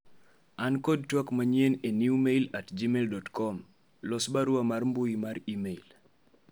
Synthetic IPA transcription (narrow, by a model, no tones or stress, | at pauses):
ankɔd̚twakmaɲjeneniumeilatd͡ʒimeldɔtkɔm | lɔsbaɾwamarmbʊjimaɾimeil